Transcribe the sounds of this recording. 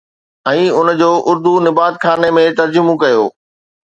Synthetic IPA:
ɛ̃ːʊn̆d͡ʑoːʔʊɾd̪unɪbaːt̪̚kʰaːnemẽt̪ɐɾd͡ʑʊmũkɐjoː

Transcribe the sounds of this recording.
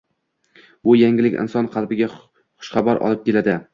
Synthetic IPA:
bʊjaŋɪlɪkʲɪ̰nsɒnqʰɑlˠbɪɡʲa | χʊ̥ʃχɑbaɾʔɒ̰lˠɪp̚kʲʰe̞lad̪ɪ

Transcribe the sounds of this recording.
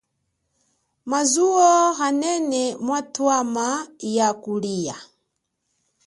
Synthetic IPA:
mazuɔɦanɛnɛmwatwamajakulija

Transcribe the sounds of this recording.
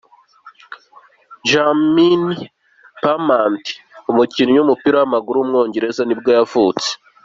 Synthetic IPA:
ʒamini | pamaːnti̥umuciniɲumupiɾawamaɡuɾuumŋo̞ːɲɟe̞ɾe̞zanibɡojavut͡se̥

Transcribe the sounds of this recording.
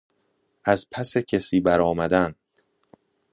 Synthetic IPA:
ʔæzpʰæsecʰesiːbæɾɒːmæd̪æn

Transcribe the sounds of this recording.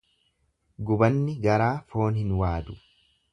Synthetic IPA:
ɡʊbɐnːɪɡɐɾaːfo̞ːnhɪnwaːd̪ʊ

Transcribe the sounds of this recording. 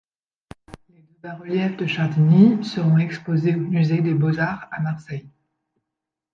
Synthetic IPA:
led̪øbaʁəljɛfd̪əʃad̪nisəʁɔ̃ɛkspozeomyzed̪ebɔzaʁamaʁsɛj

